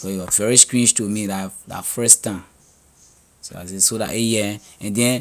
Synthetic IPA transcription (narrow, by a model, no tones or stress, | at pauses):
sojiwɔzvɛɹiskɹĩnd͡ʒtumidada̰fɹɛstãn | soa̰s̬esoda̰ʔejɛɛ̃ndɛ̃n